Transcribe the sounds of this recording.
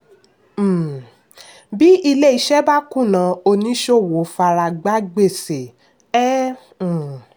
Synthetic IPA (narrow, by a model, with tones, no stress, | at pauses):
bi˦i˧le˦i˨˧˦ʃɛ˦ba˦kũ˦˨nã˨˦o˧nĩ˧˦ʃo˦˨wo˨˦fa˧ɾa˧ɡ͡ba˦ɡ͡be˦˨se˨ | ɛ˦˨